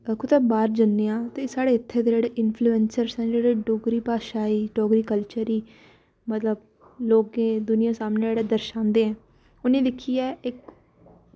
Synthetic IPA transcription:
kʊt̪ɛːbaːɾd͡ʒənːeːãːt̪eːsaːɽeːɪt̪ʰːeːd̪ed͡ʒeːɽeːʔɪnpʰluːɛnsəɾsɛ̃ːd͡ʒeːɽeːɖoːɡɾiːpaːʃaːiːɖoːɡɾiːkəlt͡ʃəɾiː | mət̪ləb | loːɡẽːd̪ʊnɪjãːsaːmneːeːɽeːd̪əɾʃãːnd̪eːɛ̃ː | ʊnẽːd̪ɪkʰːiːɛːɪk

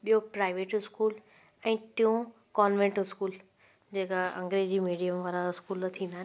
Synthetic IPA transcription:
ɓijopɾaːɪʋeːʈɪskuːl | ɛ̃ːt̪ĩũ | kɔːnʋẽɳʈɪskuːl | d͡ʑeːkaɐ̰̃ŋɡɾeːd͡ʑiːmiːɖijəmʋaːɾaɪskuːlt̪ʰĩːnd̪aɦɪn

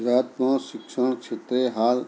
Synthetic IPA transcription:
ɾaːt̪mõːʃɪkʃəɳ̃kʃʰet̪ɾeɦaːl

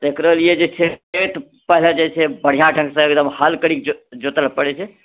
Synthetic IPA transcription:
d̪ekɾəlijed͡ʒet͡ʃʰeet̪ | pəɦled͡ʒɛt͡ʃʰebəɽ̤ijãʈʰə̃ŋksə̃ekd̪əmhalkəɽikd͡ʒd͡ʒot̪əlpəɽet͡ʃʰe

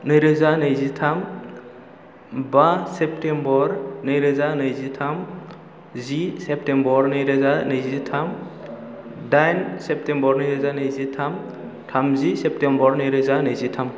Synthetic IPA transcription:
nɯjɾɯzanɯjzitʰam | basep̚tembɔɾnɯjɾɯzanɯjzitʰam | zisep̚tembɔɾnɯjɾɯzanɯjzitʰam | dajnsep̚tembɔɾnɯjɾɯzanɯjzitʰam | tʰamzisep̚tembɔɾnɯjɾɯzanɯjzitʰam

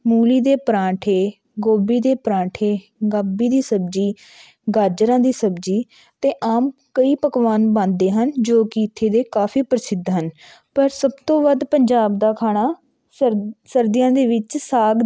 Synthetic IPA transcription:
muːliːd̪eːpɾãːʈʰeː | ɡoːbiːd̪eːpɾãːʈʰeː | ɡaːbiːd̪iːsəbd͡ʒiː | ɡaːɾd͡ʒɾãːd̪iːsəbd͡ʒiː | t̪eːʔaːm | kəiːpəkʋaːnbãːnd̪eːɦənd͡ʒoːkɪiɪt̪ʰːeːd̪eːkaːpʰiːpəɾsɪd̪ɦən | pəɾsəbt̪õːʋəd̪pəɲd͡ʒaːb̚d̪aːkʰaːɽaː | səɾd̪ɪjãːd̪eːʋɪt͡ʃsaːɡ

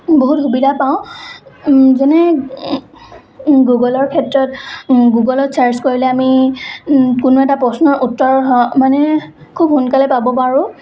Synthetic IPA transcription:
boɦutxubidʱapaʊ̃ | zɛnɛ | ɡuɡɔlɔɹkʰɛtɹɔtɡuɡɔlɔtsaɹskoɹilɛami | kʊnʊɛtapɹɔsnɔʔutːɔɹɔmanɛkʰubhunkalɛpabɔpaɹʊ

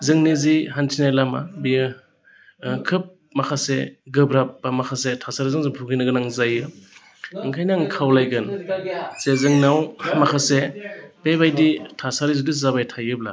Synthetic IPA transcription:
zɯŋniziɦantʰinajlamabijɯ | kʰɯp̚ | makʰaseɡɯbɾap̚ːamakʰasetʰasaɾizɯŋzɯpʰuɡinɯɡɯnaŋzajɯ | ɯŋkʰajnaŋkʰawlajɡɯn | sezɯŋnawmakʰasepebajditʰasaɾizudizabajtʰajɯb̚la̰

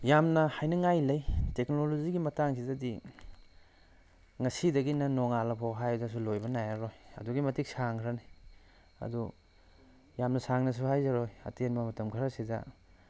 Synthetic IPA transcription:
jamnɐhajnɐŋajlɐjtek̚noloziɡimɐtaŋsizɐdi | ŋɐsidɐɡinɐnɔŋalɐpʰoɦajdas̬ulojbɐnajaɾojɐ̰duɡimɐtik̚saŋkʰɾɐni | ɐ̰du | jamnɐsaŋnɐs̬uhajzaɾojɐ̰tenmɐmɐtɐmkʰɐɾɐsidɐ̰

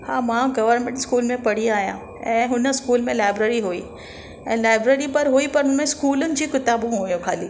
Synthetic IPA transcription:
hãːmãɡɐʋəɾnmẽʈskuːlmẽpɐɽ̤iaːɦijã̰ | ɛ̃ːɦʊnəskuːlmẽlaːɪbɾeːɾiɦuiː | ɛ̃ːlaːɪbɾeːɾipɐɾɦuipɐɾɦʊnmẽskuːlʊnɪ̆d͡ʑiːkɪt̪aːbõɦujõkʰaːliː

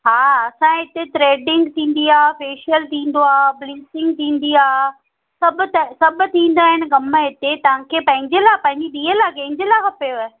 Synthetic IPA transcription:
ɦaːɐsãːɦɪt̪et̪ɾeːɖɪ̃ŋɡt̪ʰĩːn̆d̪iaːfeːʃəlt̪ʰĩːn̆d̪oaːbliːsɪ̃ŋɡ̚t̪ʰĩːnd̪iaː | sɐbt̪ɐsɐbʊ̆t̪ʰĩːn̆d̪aːɦɪn̆ɡɐməɦɪt̪et̪ɐʋ̤ãkʰeːpɐ̃ɦɪ̃ɲd͡ʑelaːpɐ̃ɦɪ̃ɲd͡ʑiɗ̪iːelaːkɐ̃ɦɪ̃ɲd͡ʑelaːkʰɐpɐjoa

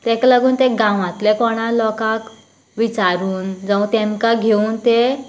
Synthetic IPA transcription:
t̪ɛkləɡuːnt̪eɡãw̃ãt̪lekɔɽ̃ãlɔkak | ʋit͡saɾuːnd͡zə̃w̃t̪ɛ̃mkaɡʱeuːnt̪e

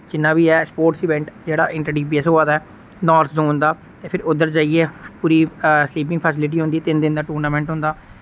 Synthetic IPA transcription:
d͡ʒɪnːaːbiːɛːspoːɾʈsiːʋɛ̃ɳʈd͡ʒeːɽa̰ːʔɪ̃ɳʈəɾɖjiːp̬iəsɦoːaːd̪aɛː | nɔːɾt̪ʰzõːnd̪aː | t̪eːpʰɪɾʊd̪əɾd͡ʒaːiɛːpuːɾiːsliːp̬ɪ̃ŋɡpʰəsɪlɪʈ̬iːɦʊ̃nd̪iːɛːt̪ɪnd̪ɪnd̪aːʈuːɾnaːmɛ̃ːɳʈɦʊ̃nd̪aː

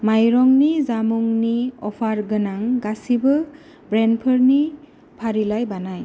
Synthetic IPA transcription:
majɾɔŋnizamuŋniɔpʰaɾɡɯnaŋɡasibɯ | bɾenpʰəɾni | pʰaɾilajbanaj

